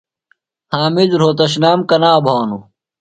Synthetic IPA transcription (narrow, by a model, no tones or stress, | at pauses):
hãːmid͡ʑɾoːt̪ɐɕ̬naːmkɐnaːbʱaːnu